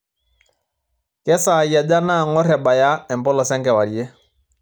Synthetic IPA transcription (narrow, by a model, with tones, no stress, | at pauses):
kɛ˦saː˨ja˨da˦na˦˨ŋɔ˦ɾɛ˨ɓa˨ja˦ɛ˨m˨pɔ˦lɔ˨sɛ˦ŋkɛ˨wa˨ɾjɛ˦